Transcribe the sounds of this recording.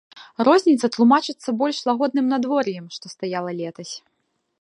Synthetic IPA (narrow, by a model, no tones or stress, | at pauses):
rɔzʲnʲit̪sɐt̪lˠumat͡ʂɨt̪sːɐbɔlʲʂlˠaɣɔd̪̚nɨmnad̪vɔɾjɛmʂt̪ɔst̪ajalˠɐlʲɛt̪ɐsʲ